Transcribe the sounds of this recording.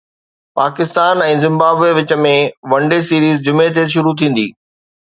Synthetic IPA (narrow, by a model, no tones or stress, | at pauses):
paːkɪst̪aːnɛ̃ːzɪ̃mbaːbeʋɪt͡ɕə̆mẽʋɐ̃ɳɖesiːɾiːzd͡ʑʊmet̪ʰeʃ̬ʊɾut̪ʰĩːn̆d̪ḭː